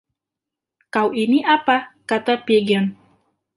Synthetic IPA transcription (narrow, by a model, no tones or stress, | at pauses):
kawʔiniʔapakat̪apɛɡan